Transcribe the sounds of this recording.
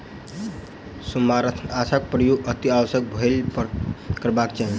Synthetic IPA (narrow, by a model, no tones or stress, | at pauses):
sumaɾət̪ʰasʰak̚pɾəjuɡət̪iawəsjək̚bʱəlpkəɾbakt͡ʃaɦi